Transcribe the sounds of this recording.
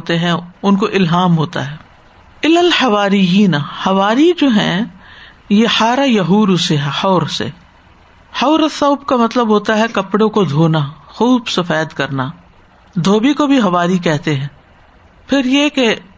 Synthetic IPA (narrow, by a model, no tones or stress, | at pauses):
ot̪eɦɛ̃ʊnkoʔɪlɦaːmɦoːt̪a̰ɦɛː | ɪlɐlħɐʋaːɾijiːnhɐʋaːɾid͡ʒoːɦɛ̃ | jeħaːɾajɐɦuːɾuseɦɛħɔːɾsḛ | hɐːɾesɐʊbkamɐt̪ləbɦoːt̪aɦɛkɐpɽõkod̪ʱoːnaxuːbsɐfɛːt̪kɐɾna | d̪ʱoːbikobʱiɦɐʋaːɾik̬ɛɦt̪eɦɛ̃ː | pʰɪɾjeke